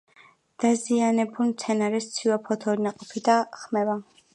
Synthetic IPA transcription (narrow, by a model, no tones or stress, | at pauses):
d̪̥azianɛbulmt̪sʰɛnaɾɛst̪sʰiwapʰɔt̪ʰɔɾinaqʼɔpʰid̪aχmɛva